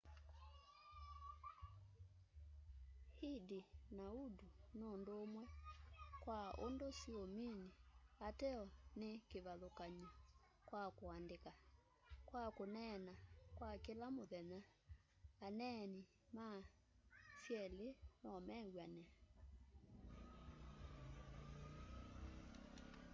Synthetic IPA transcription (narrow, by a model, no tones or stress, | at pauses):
hidinaudunondoːmwɛkwaondosiominiatɛɔnekeβaðokaɲa | kwakoandeka | kwakonɛnakwakelamoðɛnaː | nɛni | ma | sjɛlenɔmɛɣwanɛ